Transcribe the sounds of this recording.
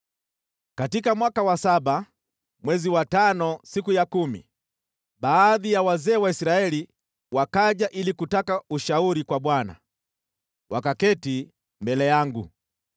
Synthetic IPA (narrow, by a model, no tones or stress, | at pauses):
katikamwakawasaɓa | mwɛziwatanɔsikujakumḭ | ɓaːðijawazɛːwaisɾaɛli | wakaʄaʔilikutakauʃauɾikwaɓwana̰ | wʔakakɛti | mbɛlɛjaŋɡṵ